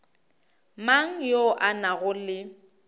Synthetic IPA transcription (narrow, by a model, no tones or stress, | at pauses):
maŋ̩joʔanaɣʊlɪ